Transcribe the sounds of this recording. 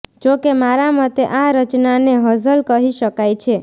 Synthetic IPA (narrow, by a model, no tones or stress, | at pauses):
d͡ʒokemaɾamət̪eʔaɾət͡ʃnaneɦəzʱəlkəɦiʃəkajt͡ʃʰe